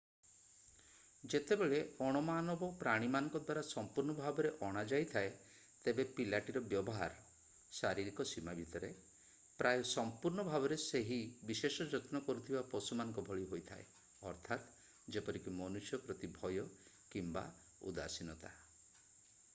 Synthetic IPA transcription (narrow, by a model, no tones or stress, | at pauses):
d͡ʒet̪ebeɭeɔɽ̃ɔmanɔbɔpɾaɽ̃imanɔŋkɔd̪waɾasɔmpuɾɳɔbʱabɔɾeʔɔɽ̃ad͡ʒajt̪ʰae | t̪ebepilaʈiɾɔbjɔbɔɦa̰ɾ | saɾiɾikɔsimabʱit̪ɔɾe | pɾʔajsɔmpuɾɳ̃ɔbʱabɔɾeseɦibisesɔd͡ʒɔt̪nɔkɔɾut̪ʰibapɔsumanɔŋkɔbʱɔɭiɦojt̪ʰa̰e | ɔɾt̪ʰat̪ | d͡ʒepɔɾikimɔnusjɔpɾɔt̪ibʱɔjɔ | kimba̰ | ṵd̪a̰sinɔt̪a̰